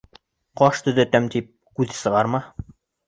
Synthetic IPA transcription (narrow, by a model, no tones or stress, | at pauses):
qɒʃt̪ɵ̆ðæt̪æmt̪ip̚ | kʉðsɤ̆ʁɑɾmɑ